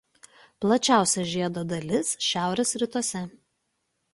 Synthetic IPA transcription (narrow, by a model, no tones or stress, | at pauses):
plˠɐt͡ʃʲæˑʊsʲɛʒʲiɛd̪oːd̪ɐlʲɪsʃʲæˑʊɾʲɛsɾʲɪt̪uɔsʲɛ